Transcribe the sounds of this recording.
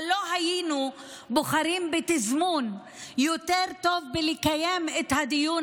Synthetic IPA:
loɦajinu | boχaɾimbet̪izmun | jot̪eʁt̪ovbelikajemet̪had̪ijun

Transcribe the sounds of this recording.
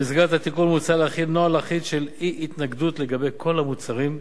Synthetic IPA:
izɡat̪at̪ikunmut͡salaχinoalaχit̪ʃeliʔit̪naɡd̪ut̪le̞ɡabejkʰo̞lamut͡saʁim

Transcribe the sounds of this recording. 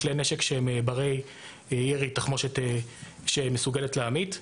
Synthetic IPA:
leneʃekʃeembaʁej | jeʁitaχmoʃet̪e | ʃemesuɡeletleamit̪

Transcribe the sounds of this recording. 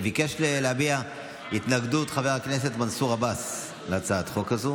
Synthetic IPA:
vikeʃleleabia | it̪naɡd̪utχaveʁakne̞s̬e̞t̪mansuʁabas | leat͡saat̪χo̞kazu

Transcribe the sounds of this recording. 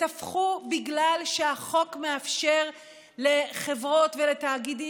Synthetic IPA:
tafχubiɡlalʃeaχo̞kme̞afʃe̞ʁ | le̞χe̞vʁo̞t̪velet̪aːɡidi

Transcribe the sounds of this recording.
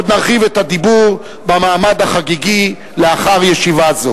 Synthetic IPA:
d̪naʁχivet̪ad̪ibuʁ | bamaːmad̪haχaɡiɡi | leaχaʁjeʃivazo

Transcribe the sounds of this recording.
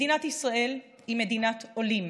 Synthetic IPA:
inat̪isʁaʔe̞l | imed̪inat̪olim

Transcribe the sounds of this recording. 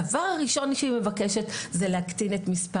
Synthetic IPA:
avaʁaʁiʃo̞nʃeime̞vakeʃetzeleaktinetmispa

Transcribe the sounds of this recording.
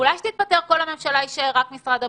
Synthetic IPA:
ulajʃe̥t̪iːt̚pat̪e̞ʁko̞lhamemʃalaiʃeʁakmisʁad̪a

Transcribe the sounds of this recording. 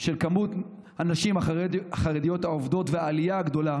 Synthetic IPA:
ʃe̞lkamut̪ | anaʃimaaχaʁed̪ijo̞thaovd̪otveaːlijaaɡd̪o̞la

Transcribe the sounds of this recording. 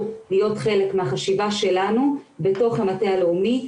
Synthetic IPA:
lijo̞tχe̞le̞kmeaχaʃivaʃe̞lanube̞to̞χematealeumi

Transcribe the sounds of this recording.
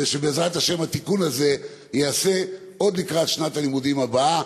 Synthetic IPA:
eʃebeːzʁat̪haʃe̞mhat̪ikunaze̞ | jease̞ | o̞d̪likʁat̪ʃnat̪alimudimabaa

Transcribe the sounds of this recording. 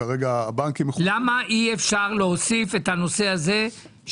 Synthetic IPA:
aʁeɡaːbaŋkimeχlamaʔiefʃaʁleɦosife̞thano̞se̞aze̞

